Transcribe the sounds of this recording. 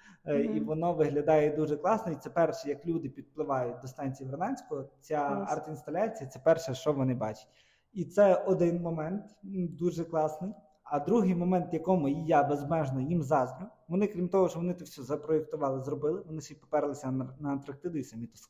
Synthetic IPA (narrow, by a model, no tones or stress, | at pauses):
iʋɔnɔʋɪɦlʲɐd̪ɑjɛd̪uʒɛklˠɑsnɔit̪sɛpɛrʃɛjɐklʲud̪ɪpʲid̪̚plˠɪʋɑjʊt̚ʲd̪ɔst̪ɑnʲt͡sʲijiʋernɛnʲsʲkɔɔt͡sʲaɑrt̪inst̪ɐlʲat͡sʲijɐt̪sɛpɛrʃɛʃt͡ʃɔʋɔnɪbɑt͡ʃɪ̥tʲ | it̪sɛɔd̪ɪnmɔmɛnt̪d̪uʒɛklˠɑsnɪj | ɐd̪ɾuɦɪjmɔmɛnt̪jɐkɔmʊjijabezmɛʒnɔjimzɑzʲmʲʊʋɔnɪkɾʲimt̪ɔɦɔt͡ʃɔʋɔnɪt̪ɔwsʲɔzɐpɾɔekt̪ʊʋɑlˠɪzrɔbɪlˠɪʋɔnɪsʲipɔ̥pɛɾlˠɪsʲɐnɐɐt̪ɾɐk̚t̪ɪd̪ʊisɐmʲit̪ɔsk